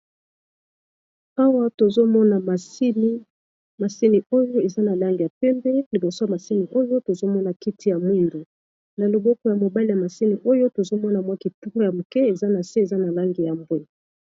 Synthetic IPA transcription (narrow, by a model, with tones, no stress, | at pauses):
a˦wa˦to˨zo˦mɔ˦na˨ma˨si˦ni˦ | ma˨si˦ni˨o˦jo˦e˨za˦na˨la˦ŋɡi˨ja˨pɛ˦mbɛ˦li˨bo˨so˦ja˨ma˨si˦ni˨ʔo˦jo˦to˨zo˦mɔ˦na˨ki˦tʰi˦˨ja˨mu˦ndu˨ | na˨lo˨bɔ˦kɔ˨ja˨mo˨ba˦li˨ja˨ma˨si˦ni˨ʔo˦jo˦to˨zo˦mɔ˦na˨mwa˦ki˨tu˦ko˦ja˨mo˨kɛ˦e˨za˦na˨se˦e˨za˦na˨la˦ŋɡi˨ja˨mbo˦˨